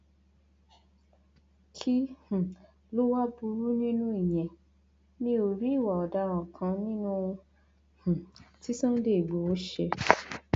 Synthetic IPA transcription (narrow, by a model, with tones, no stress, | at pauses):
kʰi˦h̩˨ | lo˦wa˦bu˧˦ɾu˦nĩ˦nũ˦i˦˨j̃ɛ̃˨ | nĩ˦o˧ɾi˦i˦˨wa˨ɔ˨da˧˦w̃ɔ̃˨kʰã˧˦nĩ˦nũ˦˧ | h̩˨ti˦sũ˦n̩˦de˦i˨ɡ͡bo˨o˨˦ʃɛ˧